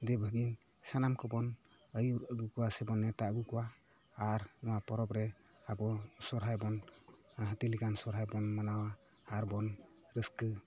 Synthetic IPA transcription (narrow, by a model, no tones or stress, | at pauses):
d̪ɛbʱəɡin | sanamkʰɔbɔn | əjuɾəɡukuwasɛbɔnːɛt̪aəɡukɔwaː | ɾnɔwapɔɾɔpɾɛ | abɔsɔɾɦajbɔn | ɦat̪ilikansɔɾɦajbɔnmanawaː | ɾbɔn | ɾɯskɯ